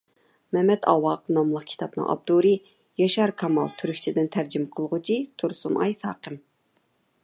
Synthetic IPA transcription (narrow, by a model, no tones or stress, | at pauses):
mɛmɛt̪ʰɑ̰wɑqnɑmlˠəq̚kʲʰi̥t̪ʰɑpnɨ̰ŋʔɑ̰b̚d̪uɾɨ | jɑʃɑɾkʰɑmɑ̰lˠt̪ʰyɾykʲt͡ʃʰid̪ɪnt̪ʰæɾd͡ʒimqʰəlˠʁʊt͡ʃʰit̪ʰuɾsunʔɑ̰jsɑ̰ːqəm